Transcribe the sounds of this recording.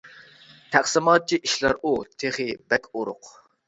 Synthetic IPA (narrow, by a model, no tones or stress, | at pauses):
t̪ʰæχsɨmɑːt̪̚t͡ʃʰiʔiʃlɑɾʔut̪ʰeχibɛkʲuɾʊ̰q